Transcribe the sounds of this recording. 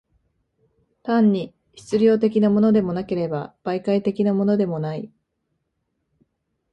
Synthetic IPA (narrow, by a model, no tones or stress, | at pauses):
t̪ãɲ̟ːi | çi̥t͡sɨɾʲo̞ːt̪̬e̞kʲinamo̞no̞d̪e̞mo̞nake̞ɾe̞ba̰b̥aikait̪e̞kʲinamo̞nod̪e̞mo̞nai